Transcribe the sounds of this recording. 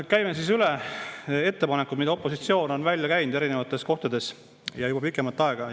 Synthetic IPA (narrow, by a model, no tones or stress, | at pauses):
kæjmesisylɛ | e̞t̪ːe̞pɑnekːˑud̥̪mid̪ɑo̞pːˑo̞sit̪sio̞ːnonvælʲjɑkæjnud̪̥e̞ɾine̞vɑt̪ːˑe̞sko̞ht̪ɑd̪e̞s | jɑjubɑpikːˑemɑlt̪ːˑɑeɡ̥ɑ